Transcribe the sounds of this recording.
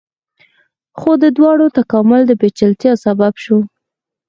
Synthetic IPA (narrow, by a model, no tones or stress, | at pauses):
xod̪əd̪wɑɽot̪akɑmʊld̪əbet͡ʃəlt̪jɑsababʃu